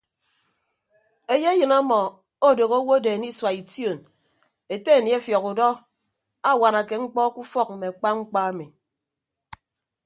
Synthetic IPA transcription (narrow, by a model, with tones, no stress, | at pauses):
e˨je˦jɨ˨na˦mɔ˨ | o˦do˨ɣo˦wo˦de˨ni˦swa˨i˨tjo˨n | e˨te˦˨ni˨˦e˦fjɔ˨ku˨dɔ˦ | a˦˨wa˨na˨ke˨ŋ͡m̩˦k͡pɔ˦ku˦fɔ˦k̚m̩˨me˨a˨k͡pa˦ŋ͡m̩˦k͡pa˦a˦mi˨